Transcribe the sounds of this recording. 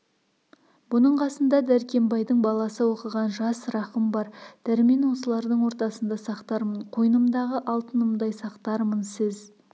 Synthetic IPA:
bʊnəɴqʰɑsənd̪ɑd̪æɾkʲe̞mbɑjd̪əɴbɑlˠɑsəwo̞qəʁɑnʒɑsɾɑqəmbɑɾd̪̥æɾme̞nwo̞səlˠɑɾd̪əɴwo̞ɾt̪ɑsənd̪ɑsɑqt̪ɑɾməɴqʰojnəmd̪ɑʁəʔɑlˠt̪ənəmd̪ɑjsɑqt̪ɑɾmənsɪz

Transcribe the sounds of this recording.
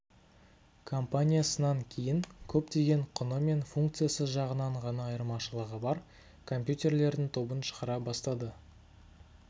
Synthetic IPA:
kʰo̞mpanʲijasənɑŋkʲʰe̞jɪŋkʲʰɵpt̪e̞ɡʲe̞ɴqʰʊnəme̞nfuŋkt̪sɨjasəzʒɑʁənɑɴʁɑnɑːjəɾmɑʃəlˠəʁəbɑɾ | kʰo̞mpjut̪ʲe̞rle̞ɾd̪ɪŋt̪ʰo̞bənʃə̥ʁəɾɑbɑst̪ɑd̪ə

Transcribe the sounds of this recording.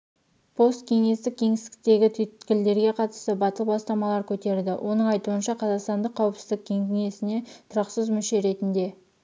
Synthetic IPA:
pʰo̞st̪kʲʰe̞ŋe̞st̪ɪkʲʰe̞ŋɪsɪkʲɪ̥k̚t̪e̞ɡʲɪt̪ʰʏt̪kʲɪld̪e̞ɾɡʲe̞qʰɑt̪əst̪əbɑt̪əlˠəpbɑst̪ɑmɑlˠɑɾkʲʰɵt̪e̞ɾd̪ɪwʔo̞nəɴɑjt̪uənʃɑqʰɑzɑqst̪ɑnd̪əqʰːɑwəpsɪzd̪ɪk̚ʲkʲʰe̞ŋkʲʏŋe̞sɪne̞t̪ʰʊɾɑqsəzmʏʃe̞ɾe̞t̪ɪnd̪e̞

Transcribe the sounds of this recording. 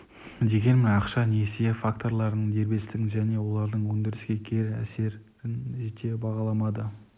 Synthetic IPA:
d̪e̞ɡʲe̞nmɪnɑqʃɑnesefakt̪o̞ɾlˠɑɾnəɴd̪e̞ɾbe̞st̪ɪɪʒæne̞wo̞lˠɑɾd̪əɴwɵnd̪ɪɾɪsɡʲe̞kʲʰe̞ɾæ̰se̞ɾ | ɾɪnʒe̞t̪e̞bɑʁɑlˠɑmɑd̪ə

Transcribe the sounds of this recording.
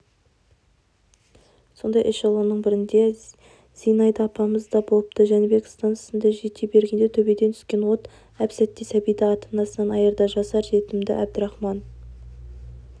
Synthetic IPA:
so̞nd̪ɑjʔɪʃɑlˠunəɴbɪɾɪnd̪e̞ | z̥ijnɑjd̪ɑːpɑməzd̪ɑbo̞pt̪əʒænebekst̪ɑnɑ̥sənd̪ɑʒet̪ebe̞ɾɡʲe̞nd̪et̪ʰɵbed̪ent̪ʰskʲe̞nwo̞t̪ | æpsæt̪ːɪsæbijd̪ɪɑt̪ʰənɑsənɑnɑjəɾd̪ɑʒɑsɑɾʒe̞t̪ɪmd̪ɪ̰ʔæb̚d̪ɪɾɑχmɑn

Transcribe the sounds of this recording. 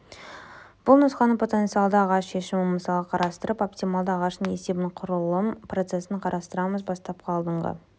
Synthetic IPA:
b̥ʊlˠnəsqɑnəpʰo̞t̪ent̪sijɑlˠd̪əɑʁɑsʃe̞ʃɪmməsɑlˠʁəqʰɑɾɑst̪əɾəpo̞p̚t̪ʲijmalˠd̪əɑʁɑʃnəɴe̞se̞bɪɴqʰʊɾəlˠəmpro̞t̪se̞sɪɴqʰɑɾʔɑst̪əɾɑməzbɑst̪ɑpqʰɑlˠd̪əɴʁɑ̰

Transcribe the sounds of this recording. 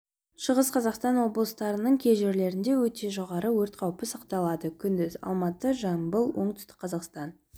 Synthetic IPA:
ʃəʁəsqʰɑzɑqst̪ɑnwo̞blˠəst̪ɑɾənəɴkʲʰe̞jʒe̞ɾle̞ɾɪnd̪e̞wɵt̪e̞ʒo̞ʁɑɾəwɵɾt̪̚qʰɑwpəsɑqt̪ɑlˠɑd̪əkʲʰʏnd̪ɪzɑ̰lˠmɑt̪əʒɑmbəlˠwo̞ɴt̪ʰʏ̥st̪ɪ̥k̚qʰɑzɑqst̪ɑn

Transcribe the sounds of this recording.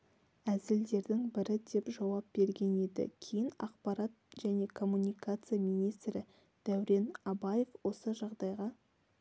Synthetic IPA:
æzɪld̪e̞ɾd̪ɪŋbɪɾɪd̪e̞pʒɑwɑp̚b̥e̞ɾɡʲe̞ne̞d̪ɪ̰kʲʰe̞jɪnɑ̰qpɑɾɑt̪̚ʒ̥æne̞kʰo̞mːunʲikat̪sɨjamijnijst̪ɾɪ | d̪̥æwɾe̞nɑbaje̞fwo̞səʒɑʁd̪ɑjʁɑ

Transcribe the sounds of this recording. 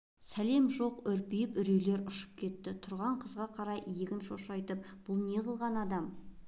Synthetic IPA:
sæle̞mʒo̞qʏɾpijɪpʏɾele̞ɾʊʃə̥p̚kʲʰe̞t̪ːɪt̪ʰʊɾʁɑɴqʰəzʁɑqʰɑɾɑjʔijeɡʲɪnʃo̞ʃɑjt̪əp̚b̥ʊlˠne̞ʁəlˠʁɑnɑd̪ɑm

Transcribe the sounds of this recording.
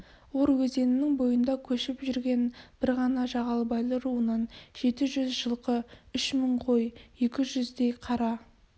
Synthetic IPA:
woɾwɵze̞nɪnɪŋbo̞jənd̪ɑkʲʰɵʃɪpʒʏɾɡʲe̞nb̥ɪɾʁɑnɑʒɑʁɑlˠbɑjlˠəɾuənɑnʒ̥e̞t̪ɪʒʏzʒəlˠqəʏʃməɴqʰo̞je̞kʲɪʒʏzd̪e̞jqʰɑɾɑ

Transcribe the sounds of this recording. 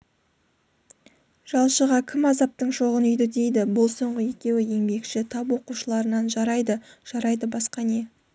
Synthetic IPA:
ʒ̥ɑlˠʃəʁɑkʲʰɪmɑzɑp̚t̪əɴʃo̞ʁənʏjd̪ɪd̪e̞jd̪ɪbʊlˠso̞ɴʁəje̞kʲe̞wɪje̞ŋbe̞kʃɪt̪ʰɑpwo̞quʃəlˠɑɾənɑnʒɑɾɑjd̪əʒ̥ɑɾɑjd̪əbɑsqɑne̞

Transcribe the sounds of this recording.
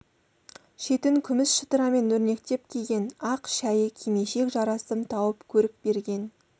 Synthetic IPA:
ʃe̞t̪ɪŋkʲʰʏmɪsʃət̪əɾɑme̞nɵɾne̞k̚t̪e̞p̚kʲʰeɡʲe̞nɑqʃæjəkʲʰeme̞ʃe̞kʒɑɾɑsəmt̪ʰɑwəpkʲʰɵɾɪk̚be̞ɾɡʲe̞n

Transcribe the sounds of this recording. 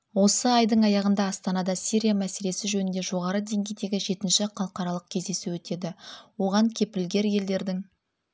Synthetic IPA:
wo̞səɑjd̪əɴɑjɑʁənd̪ɑːst̪ɑnɑd̪ɑsiɾʲijamæse̞le̞sɪʒɵnɪnd̪e̞ʒo̞ʁɑɾəd̪e̞ŋɡʲe̞jd̪e̞ɡʲɪʒe̞t̪ɪnʃɪqʰɑlˠəqɑɾɑlˠəq̚kʲʰe̞zd̪e̞suwɵt̪e̞d̪ɪwo̞ʁɑŋkʲʰe̞pɪlɡʲe̞ɾje̞ld̪e̞ɾd̪ɪŋ

